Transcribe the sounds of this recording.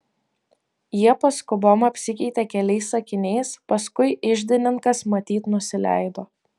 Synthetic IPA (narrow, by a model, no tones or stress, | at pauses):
jiɛpɐskʊboːmɐpʲsʲɪkʲɛɪt̪ʲɛkʲɛlʲɛɪsɐkʲɪnʲɛɪspɐskʊɪɪʒʲd̪ʲɪnʲɪŋkɐsmɐt̪ʲiːt̪nʊsʲɪlʲæ̰ɪd̪oː